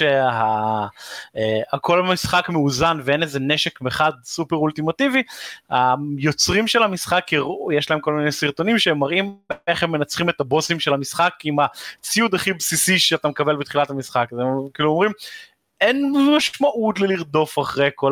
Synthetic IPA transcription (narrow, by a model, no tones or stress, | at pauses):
ea | eako̞lamisχakmeuzanvee̞nezeneʃe̞kmeχad̪supeʁult̪imat̪ivihajo̞t͡sʁimʃelamisχakːijeʃlae̞mkolminejsiʁto̞nimʃeemːaʁimeχemːe̞nat͡sχime̞t̪abo̞simʃelhamisχakimat͡siud̪aχibsisiʃeat̪amekabe̞lbet̪χilat̪hamisχakzekiːluomʁim | enmaʃmaʔut̪leliʁd̪o̞faχʁejko